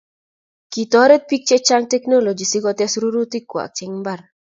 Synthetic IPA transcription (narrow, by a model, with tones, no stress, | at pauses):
ki˨t̪ɔ˦ɾe˦t̪̚pi˦k̚t͡ʃe˦t͡ʃaŋtɛ˦kno˦lo˨d͡ʒi˨si˦ɡɔ˦t̪ɛ˦sɾu˦ɾu˦t̪i˦kwa̰˨k̚t͡ʃɪ˦ŋmba˨r